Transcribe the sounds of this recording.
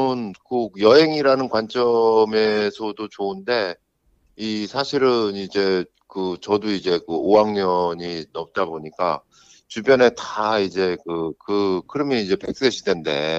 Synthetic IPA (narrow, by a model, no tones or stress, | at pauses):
ɯnkɯjʌɦe̞ŋiɾanɯnkwant͡ɕ͈ʌme̞sʰʌdot͡ɕoɯnde̞ | isʰaɕʰiɾɯnid͡ʑe̞ | kɯt͡ɕʌdoid͡ʑe̞kɯoaŋɲʌɲinʌp̚t͈aboɲik͈a | t͡ɕubjʌne̞taid͡ʑe̞kɯkɯkʰɯɾʌmjʌid͡ʑe̞pek̚s͈eɕʰidwe̞nde̞̰